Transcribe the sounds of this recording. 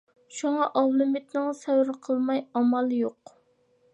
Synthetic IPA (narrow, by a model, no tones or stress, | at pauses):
ʃuŋɑʔɑwlˠɨmit̪nɨŋsɛwɾɨqʰəlˠmɑjɑmɑlˠjoq